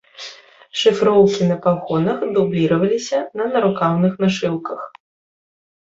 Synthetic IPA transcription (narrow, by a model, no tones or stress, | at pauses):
ʂɨfɾɔwkʲinɐpaɣɔnɐxd̪ublʲiɾɐvɐlʲisʲɐnɐnɐɾukawnɨxnɐʂɨlˠkɐx